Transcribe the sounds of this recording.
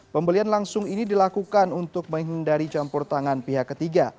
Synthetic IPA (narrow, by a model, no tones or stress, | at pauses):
pəmbəlianlaŋsʊŋinidilakukanunt̪ʊk̚məŋɦindaɾit͡ʃampʊrt̪aŋanpiɦakːət̪iɡa